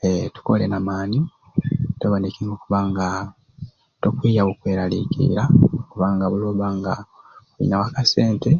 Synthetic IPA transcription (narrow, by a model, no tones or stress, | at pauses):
etu̥kolenamaːni | toβondikiŋɡokuβaːŋɡa | tokwiːjawokweːɾalikḭɾaokuβaːŋɡaβuloːβaːŋɡakuḭnawakase̞ːnte